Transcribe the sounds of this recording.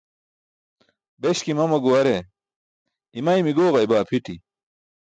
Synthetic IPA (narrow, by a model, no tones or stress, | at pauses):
beɕkimɐmɐɡuɐɾe | imɐimiɡoːɣɐibaːpʰiʈʰi